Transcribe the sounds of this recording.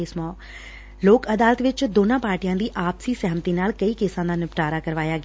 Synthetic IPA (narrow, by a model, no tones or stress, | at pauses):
eːsmɔ̃ː | loːkɐd̪aːlət̪ʋɪt͡ʃd̪oːnãːpaːɾʈijãːd̪iːʔaːpsiːsɛːmt̪iːnaːlkɐiːkeːsãːd̪aːnɪpʈaːɾaːkɐɾʋaːjaːɡ